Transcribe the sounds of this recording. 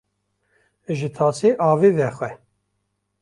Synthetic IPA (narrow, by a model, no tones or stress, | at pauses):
ʒɨt̪ʰɑːsiʔɑːviːvɛxwɛ